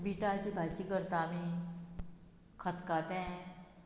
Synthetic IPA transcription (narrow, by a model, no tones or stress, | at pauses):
biːʈat͡ʃibʱat͡ʃiɡəɾt̪aːmi | kʰət̪ʰkaːt̪ẽ